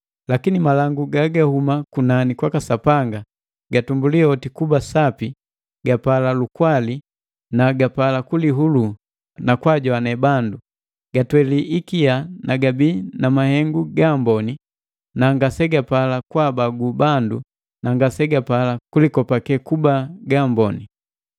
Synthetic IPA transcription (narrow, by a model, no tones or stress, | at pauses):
lakinimalaŋɡuɡaɡahumakunanikwakasapaŋɡa | ɡatumbuliɔtikubasapi | ɡapalalukwali | naɡapalakuliɦulu | nakwaɟɔanɛbandu | ɡ̥atwɛliʔikianaɡabiːnamahɛŋɡuɡambɔni | naŋɡasɛɡapalakwabaɡubandu | naŋɡasɛɡapalakulikɔpakɛkubaɡambɔni